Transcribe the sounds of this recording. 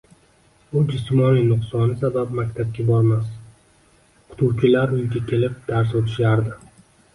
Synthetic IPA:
bʊd͡ʒʊsmɒnɪŋnʊqsɒnɪsabap̚makʲt̪ʰap̚ɡʲabɒɾmas | qʰʊ̥t̪ʰʊɾkʲʰɪlaɾʊjɡʲakʲʰelɪp̚d̪̥aɾsot̪ʰɪ̥ʃaɾd̪ɪ

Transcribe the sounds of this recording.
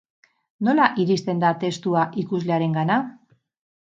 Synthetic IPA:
no̞laʔiɾist̪e̞nd̪at̪e̞st̪uaʔikuzle̞aɾe̞ŋɡana

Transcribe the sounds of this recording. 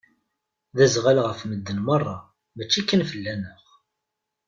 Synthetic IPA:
ðæzʁalʁəfməd̪ːənmərˤːɑ | mət͡ʃːikːənfəlːænəχ

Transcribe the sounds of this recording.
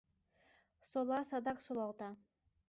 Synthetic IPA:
solˠɑsɑd̪ɑksolˠɑlˠt̪ɑ

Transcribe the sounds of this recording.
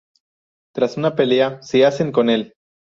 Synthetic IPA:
t̪ɾasunape̞leasiase̞ŋko̞ne̞l

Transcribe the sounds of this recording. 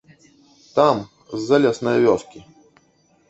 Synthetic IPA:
t̪am | zːɐlʲɛsnɐjvʲɔskʲi

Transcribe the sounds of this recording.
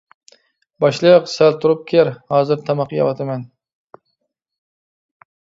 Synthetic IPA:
bɑʃlˠɨjqsælt̪ʰʊɾʊp̚kʲʰeæɾhɑːzɨɾt̪ʰɑmɑqjɑ̰wɑt̪ʰamɛn

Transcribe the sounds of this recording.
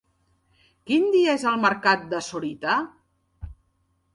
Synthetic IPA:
kind̪iaezəlˠməɾkat̪̚d̪əsoɾit̪a

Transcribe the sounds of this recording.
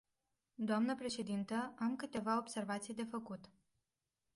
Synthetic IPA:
d̪oamnəpɾe̞ʃe̞d̪int̪əamkɨt̪e̞vao̞bse̞rvat̪sijd̪e̞fəkut̪

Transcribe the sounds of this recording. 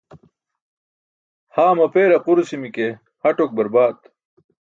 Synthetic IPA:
haːmɐpeːɾɐquɾsimike | hɐʈok̚bɐɾbaːt̪

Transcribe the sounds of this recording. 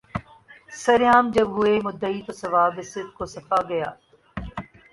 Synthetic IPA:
sɐɾjaːmd͡ʒɐbɦʊemʊd̪ːəit̪osɐʋaːbɪsɪd̪̚kosɐfaːɡɐjaː

